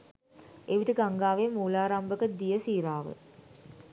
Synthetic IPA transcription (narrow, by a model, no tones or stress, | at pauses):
eʋiʈəɡaŋɡaːʋemuːlaːɾambəkəd̪ijəsiːɾaːʋə̰